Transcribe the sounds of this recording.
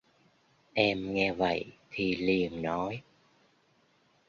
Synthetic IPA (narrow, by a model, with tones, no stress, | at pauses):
ʔɛ˧mŋɛ˧və̰˧˨jt̪ʰi˨˩li˨˩ənnɔ˨˦j